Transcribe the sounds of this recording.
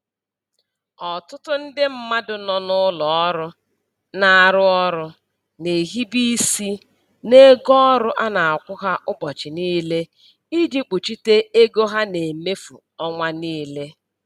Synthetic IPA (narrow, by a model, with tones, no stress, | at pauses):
ɔ˨tʊ˦tʊ˦n̩˦dɪ˦m̩˦ma˦dʊ˨nɔ˨nʊ˦lɔ˨ɔ˦ɾʊ˦ | na˨a˨ɾʊ˦ɔ˦ɾʊ˦ | ne˨ɦi˦bi˦si˦ | ne˦ɡɔ˦ɾʊ˦ʔa˦na˨a˨kʷʊ˦ɦa˦ʔʊ˦bɔ˨t͡ʃɪ˨niː˦le˦ | i˦di˦k͡pu˨t͡ʃi˦te˦e˦ɡo˦ɦa˦ne˨me˦fṵ˨ | ɔ˦ŋʷa˦niː˦le˦